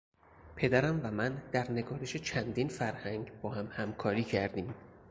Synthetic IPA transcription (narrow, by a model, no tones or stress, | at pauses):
pʰe̞d̪æɾæmvæmænd̪̥æɾne̞ɡɒːɾe̞ʃe̞t͡ʃʰænd̪infæɾhæŋɡbɒːhæmhæmkʰɒːɾiːcʰæɾd̪iːm